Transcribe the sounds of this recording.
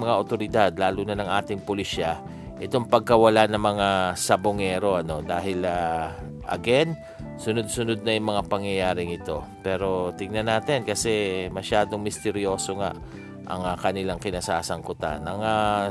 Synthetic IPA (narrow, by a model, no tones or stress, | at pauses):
mɐŋaʔot̪o̞ɾɪd̪ad̪̚laːluːnɐnɐŋʔaːt̪ɪŋpʊliʃa | ʔɛt̪o̞ŋpɐɡ̚kɐwɐlanɐŋmɐŋasɐboŋɛɾo̞ʔɐno̞d̪aːhɪla | ʔɐ̰ɡɛn | sʊnod̪̚sʊnod̪̚nɐjʊŋmɐŋapɐŋjɐjaːɾɪŋɪt̪o̞ | pɛːɾo̞t̪ɪŋnɐnaːt̪ɛnkɐsɛmɐʃaːd̪oŋmɪst̪ɛɾjo̞ːso̞ŋa̰ʔ | ʔɐ̰ŋakɐnɪlaŋkɪnasaːsɐŋkʊt̪a̰nʔɐŋa